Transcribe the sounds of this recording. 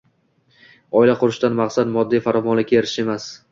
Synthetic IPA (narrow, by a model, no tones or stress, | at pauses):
ɒɪlaqʰʊɾɪʃt̪anmaχsad̪mɒd̪ːijfaɾɒmɒnlɪkʲʰːaeɾɪ̥ʃe̞mas